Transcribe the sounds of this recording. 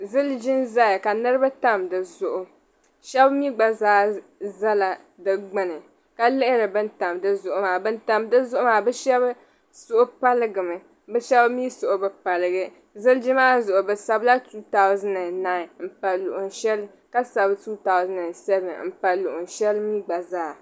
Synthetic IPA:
zɨ˦ld͡ʒɪ˦nza˦jka˨nɨ˦ɾɨ˦ba˦ta˦mdɨ˨zʊ˨ʔʊ˨ | ʃɛ˦bmi˦ɡ͡ba˨zaː˦ | za˦la˨ | dɨ˨ɡ͡bɨ˦nɨ˨ | ka˨lɪ˦ʔɪ˦ɾɨ˨bɨ˦n˦ta˨mdɨ˨zʊ˨ʔʊ˨maː˨bɨ˦n˦ta˦mdɨ˦zʊ˦ʔʊ˦maː˨bɨ˦ʃɛ˦b | sʊ˦ʔʊ˦pa˦lɨ˦ɡɨ˨mɨ˨ | bɨ˦ʃɛ˦bmi˦sʊ˨ʔʊ˨bɨ˨pa˨lɨ˨ɡɨ˨ | zɨ˦ld͡ʒɪ˦maː˦zʊ˨ʔʊ˨bɨ˨sa˨bla˦tuː˦ta˦ʊ˦zɨ˦nɨ˨na˨ɪ˨m̩˨pa˨lʊ˨ʔʊ˨nʃɛ˦l | ka˦sa˨bɨ˦tuː˦ta˨ʊ˦zɨ˦nɨ˨sɛ˦bɨ˨m̩˨pa˨lʊ˨ʔʊ˨nʃɛ˦lmi˦ɡ͡ba˨zaː˦

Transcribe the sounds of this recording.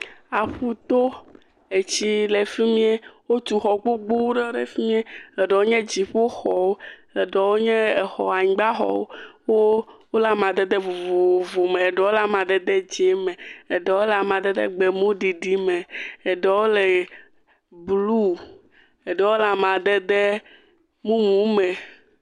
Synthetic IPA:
a˨ɸu˦t̪o˦ | e˨t͡ɕi˦le˨fi˦mĩ˦e˦wo˦t̪u˨xɔ˨ɡ͡bo˦ɡ͡bu˦wɖe˦ɖe˨fi˦mĩ˦e˦e˨ɖe˨wo˦ɲɛ̃˦d͡ʑi˨ɸo˦xɔ˨wo˦e˨ɖɛ˨wo˦ɲɛ̃˦e˨xɔ̰˨a˨ɲĩ˨ɡ͡ba˦xɔ̰˨wo˦wo˦wo˦la˦mã˨d̪ɛ˦d̪ɛ˦vo˨vo˨o˨vo˨me˨e˨ɖɛ˨˦wo˦la˦mã˨d̪ɛ˦d̪ɛ˦d͡ʑe˨˦mɛ̃˨e˨ɖɛ˨˦wo˦la˨mã˨d̪ɛ˦d̪ɛ̰˦ɡ͡be˨mõ˦ɖi˨ɖi˦me˨e˨ɖɛ˨wo˦le˨ | blu˦ | e˨ɖɛ˦wo˦la˨mã˨d̪ɛ˦d̪e˦ | mũ˦mũ˨˦me˨

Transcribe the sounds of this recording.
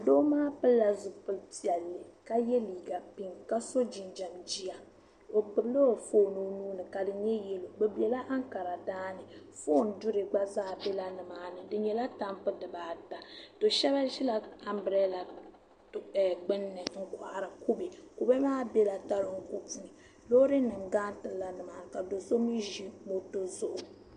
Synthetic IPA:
a˨doː˦maː˦pɨ˦lːa˨zʊ˨pɨ˨lti˨ɛ˨lːɨ˨ka˦jɛ˦liː˨ɡa˨pi˦ŋka˦so˦d͡ʒi˨nd͡ʒa˨md͡ʒi˦a˨ | o˨k͡pɨ˨blo˦o˨foː˦no˦nuː˦nɨ˨ka˨dɨ˨ɲɛ˦jɛ˦lo˨ɡ͡bɛ˨bɛ˨la˦ʔa˦ŋka˨ɾa˨daː˦nɨ˨foː˦n̩˦dʊ˦ɾɨ˨ɡ͡ba˦zaː˦˨bɛ˦la˦nɨ˨maː˦nɨ˨dɨ˨ɲɛ˨la˦ta˦m˦pɨ˦dɨ˨baː˨˦da˨d̥o˨ʃɛ˦βa˦ʒi˦la˨a˦m˦bɨ˨ɾɛ˦la˨ | ɡ͡bɨ˦nːɨ˨ŋ̩˦ka˨ʔa˨ɾa˨ku˦be˨ko˨bɛ˦maː˦bɛ˦la˨ta˦lo˨ŋ̩˨ku˦tu˦nɨ˨ | lo˦ɾɨ˦nɨ˨mɡaː˦n˦tɨ˨la˦nɨ˨maː˨ka˨do˨so˦mi˦ʒi˦mo˦to˦zʊ˦ʔʊ˨

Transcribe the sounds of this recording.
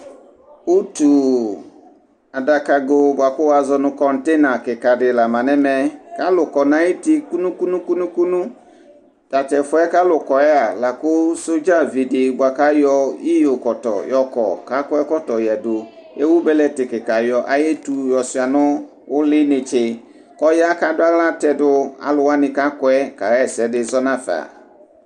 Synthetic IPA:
wu˦tu˨ | a˨da˨ka˨ɡo˦bʊ˨a˨kʊ˦wa˨zɔ˧nʊ̃˧kɔ˨n̩˨tɛ˦na˨kɪ˨ka˨dɪ˨la˨mã˨nɛ˦mɛ˨ka˦lʊ˨kɔ˨nã˨˦ji˦tɪ˦ku˦nũ˦ku˦nũ˦ku˦nũ˦ku˦nũ˦ | ta˨tɛ˨fʊ˦ɛ˦ka˦lʊ˨kɔ˨ɛ˦a˨la˨kʊ˦so˦d͡ʒa˦˨vi˨dɪ˨bʊ˨a˨ka˦jɔ˧i˦jo˨kɔ˨tɔ̰˨jɔ˨kɔ̰˨ka˦kɔ˦ɛ˦kɔ˦tɔ˨jɛ˨dʊ˨ | ʔe˦wu˦bɛ˦lɛ˦tɪ˨kɪ˨ka˨jɔ˨ʔa˦je˦tu˨jɔ˨sʊ˨a˨nʊ̃˦ | wʊ˦lɪ˦nɪ˨t͡ʃɪ˨ | kɔ˦ja˦ka˨dʊ˦a˦la˦tɛ˨dʊ˦a̰˨lʊ˨wa˦nɪ̃˨ka˦kɔ˦ɛ˦ka˨ɣɛ˦˨sɛ˨˦dɪ˦zɔ˦nã˦fa̰˨

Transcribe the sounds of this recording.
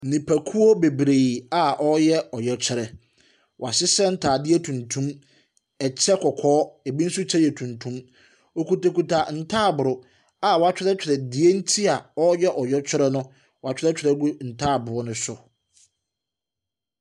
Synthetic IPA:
n̩˨nĩ˨pʰæ˨kʰu˦o˦be˨bɾe˨i˨a˨ʔɔ˦jɛ˦ɔ˨jɛ˨t͡ɕʰᶣɪ˦ɾɛ˨ | wa˨sɪ˦sɛ˦n̩˦tʰaː˨dɪ˦e˦tʰũ˨ntʰũ˦m | ɛ˨t͡ɕʰɛ˦kʰɔ˨kʰɔː˦e˨bi˦n̩˦sʊ˦t͡ɕʰɛ˦jɛ˨tʰũ˨ntʰũ˦m | o˨ku˨ta˨ku˨tʰa˨n̩˨tʰaː˦˨bʊ˨ɾʊ˨ | a˨wɔ˨a˦t͡ɕᶣɪ˦ɾɛ˦t͡ɕᶣʰɪ˨ɾɛ˨dɪ˨e˦n̩˦tʰi˦a˨ɔ˦jɛ˦ʔɔ˨jɔ˦t͡ɕʰᶣɪ˦ɾɛ˦nʊ̃˦ | wa˨t͡ɕᶣɪ˦ɾɛ˦t͡ɕʰᶣɪ˨ɾɛ˦ɡu˦n̩˨tʰaː˦˨bʊ˨ɾʊ˦nʊ̃˦sʊ˨

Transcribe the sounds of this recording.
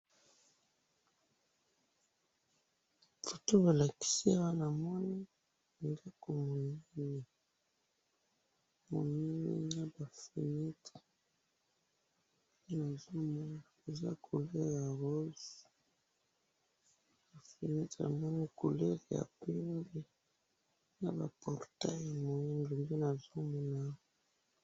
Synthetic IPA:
fo˨to˦ba˨la˨ki̥˦si˦a˦wa˦na˨mɔ˦ni˦˨ | nde˦ko˨mo˨ni˦ni˨ | mo̰˨ni˦nḭ˦na˦ba˨fi˨ni˦t | pe˦na˨zo˦mu˦n˨e˨za˦kʰo˨lɛ˦ɣja˨ʁo˦z | ba˨fi˨ni˦ta̰˨mɔ˦ni˦ko˨le˦ʁe˨ja̰˨pe˦mbe˦ | na˦ba̰˨pʰɔ˨ʁta˦ja˨mo˨i˦ndo˨mbe˦na˨zo˦mo˨na˨˦

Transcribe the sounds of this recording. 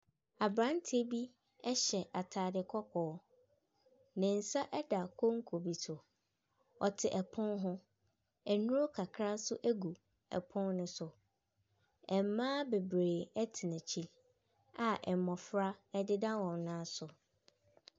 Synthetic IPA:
a˨bɾã˦n˦tʰɪ˦bi˦ | ɛ˦ɕɛ˨ʔa˨tʰaː˨dɪ˨kʰɔ˦kʰɔː˨˦ | nɪ̃˨n̩˨sa˦ʔɛ˦da˨kʰo˦ŋ̩˦kʰo˨bi˨sʰʊ˨ | ɔ˨tʰɪ˨ʔɛ˨pʰʊ̃˦nɦʊ̃˦ | ɛ˨nʊ̃˦o˦kʰa˨kʰɾa˦sʊ˦ʔæ˦ɡu˨ | ɛ̰˨pʰʊ̃˦nnʊ̃˦sʊ˨ | ɛ˨m˦mãː˦be˨bɾeː˨ɛ˦tʰɪ˨nã˨t͡ɕʰi˦ | a˨ʔɛ˨m˨mɔ̃˨fɾa˦ɛ˦dɪ˦dã˦wɔ̃˨mnã˦sʊ˨

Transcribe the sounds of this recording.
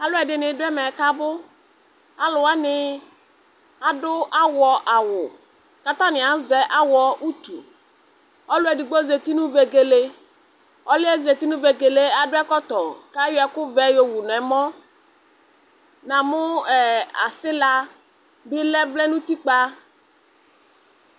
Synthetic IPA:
a˨˦lʊ˦ɛ˨dɪ˨nɪ˨˦dʊ˦ɛ˦mɛ˨ka˦bʊ˦ | a˨lʊ˨a˦nɪ˦ | a˨dʊ˦a˦wɔ˨ʔa˨wʊ˨ | ka˨t̪a˦nɪ˨a˨˦zɛ˨ʔa˦wɔ˦ʔu˦t̪ṵ˨ | ɔ˦lʊ˦ɛ˨dɪ˨ɡ͡bo˦ze˨t̪i˦nʊ̃˦ve˨ɡe˨le˦ | ɔ˦lɪ˦ɛ˦ze˨t̪i˦nʊ̃˦ve˨ɡe˨le˦a˨dʊ˦ɛ˦kɔ˦t̪ɔ˨ka˦jʊ˦ɛ˦kʊ˦vɛ˦jo˨wu˨n˨ɛ˨mɔ̃˦ | nã˨mʊ˦ɛ˨a̰˨sɪ˦la˦ | bɪ˦lɛ˦vlɛ˦nʊ̃˦t̪i˦k͡pa˦

